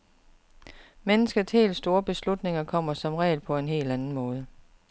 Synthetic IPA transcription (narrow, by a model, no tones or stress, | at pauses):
menəsɡ̥əshe̝̰ːlsːd̥o̝ːɐb̥e̝slud̥ne̝ŋɐkʰɒ̽m̰ɐsɒ̽mʁɛ̰ːlpʰɒ̽e̝nɦe̝̰ːldænn̩mɔ̽ːð̞ˠə